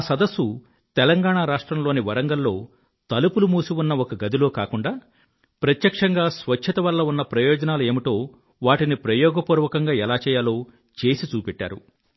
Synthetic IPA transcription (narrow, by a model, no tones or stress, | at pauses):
asɐd̪ɐsːu | t̪ɛlɐŋɡaːɳaːɾaːʂʈɾɐmlo̞ːniʋɐɾɐŋɡɐlːo̞ː | t̪ɐlupulumuːsiunːɐɔkɐɡɐd̪ilo̞ːkaːkuɳɖaː | pɾɐt̪jɐkʂɐŋɡaːsʋɐt͡ʃʰːɐt̪ɐʋɐlːɐunːɐpɾɐjoːd͡ʒɐnaːlue̞ːmiʈ̪o̞ː | ʋaːʈinipɾɐjɔːɡɐpuːɾʋɐkɐŋɡaːɛlaːt͡ʃɛːjaːlo̞ː | t͡ʃe̞ːsit͡ʃuːpeʈːa̰ːɾṵ